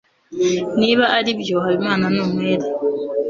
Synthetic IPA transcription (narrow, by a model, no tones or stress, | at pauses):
niːβaʔːɾibjohaβimaːnanomweːɾe